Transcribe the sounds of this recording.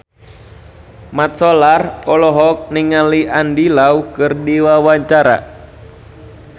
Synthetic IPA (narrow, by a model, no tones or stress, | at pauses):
mat̪̚sɔlarɔlɔɦɔk̚niŋaliʔandilaukɨrdiwawaɲt͡ʃaɾa̰